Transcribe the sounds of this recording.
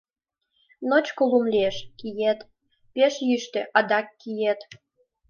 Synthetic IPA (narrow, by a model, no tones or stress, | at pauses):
not͡ɕkolumlʲieʃkijet̪ | peʃjyʃt̪eʔɑd̪ɑkːijet̪